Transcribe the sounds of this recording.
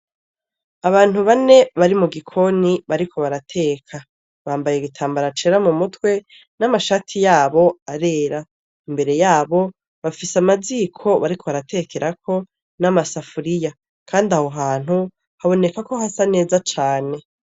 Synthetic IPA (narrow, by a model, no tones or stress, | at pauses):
aβaːn̥huβane̞βaɾimuɡikʰo̞niβaɾikʰo̞βaɾatʰe̞ːkʰa | βaːmbaje̞ɡitʰaːmbaɾat͡ʃeɾamumutwe̞ | namaʃatʰijaːβo̞aɾe̞ːɾa | imbe̞ɾe̞jaːβo̞ | βafisamaziːkʰo̞βaɾikʰoβaɾatʰe̞kʰe̞ɾʔakʰo̞ | namasafuɾija | kʰaːndaho̞ɦaːn̥hu | haβo̞ne̞kako̞hasane̞ːzat͡ʃaːne̞